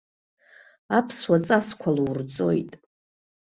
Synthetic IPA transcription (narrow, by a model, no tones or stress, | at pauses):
apʰswat͡sʼaskʷʰaluwrt͡sʼo̞̰jtʼ